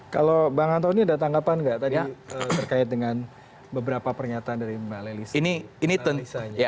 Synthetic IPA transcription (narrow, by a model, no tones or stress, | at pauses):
kalobaŋant̪aɦuniadaht̪aŋɡapanŋɡaʔt̪adiət̪ərkaɪt̪̚dəŋan | bəbəɾapapərɲat̪aːndaɾimalelisiniinit̪ənaɲja